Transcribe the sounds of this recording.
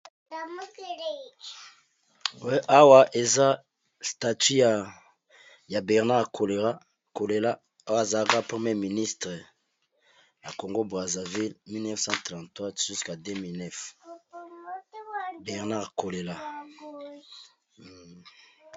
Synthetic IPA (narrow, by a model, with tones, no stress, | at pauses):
a˨m˦ | wɛ˦ʔa˦wa˦ʔe˨za˦ | sta˨ty˦ja˨ | ja˨bɛ˨ʁna˦ʁkʰo˨le˨ʁa˦ | ko˨le˨la˦ | a˦wa˨za˨lka˦pχe˨mje˦mi˨ni˦stʁə˨ | ja˨ko˨ŋɡo˦bʁa˨za˨vi˦lmi˦lnɛ˦fsɑ̃˦tʁã˨ntwa˦ʒu˦ska˨de˦mi˨lnɛ˦f | bɛ˨ʁna˦ʁko˨le˨la˦˨